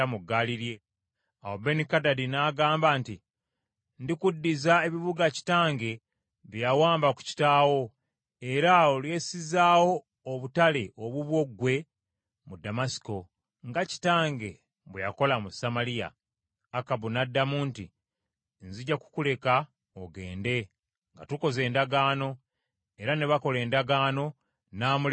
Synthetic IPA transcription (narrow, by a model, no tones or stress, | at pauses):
amuɡːaliɾje̞ | awobe̞nikadadinaːɡaːmbaːnti | ndikudːizae̞βiβuɡaci̥taːŋɡe̞ | βjjawaːmbaku̥ci̥taːwo̞ | e̞ɾaolwje̞ːsizaːwo̞ː | βutale̞ʔoβuβwo̞ɡwe̞ | mudamasi̥ko̞ | ŋɡaci̥taːŋɡe̞ | βwejako̞lamusamalija̰ː | kaβunadːamuːnti | nziɟaku̥kule̞ka | oɡe̞ːnde̞ | ŋɡatuko̞ze̞ːndaɡaːno̞ | eɾaneβako̞le̞ːndaɡaːno̞ | naːmul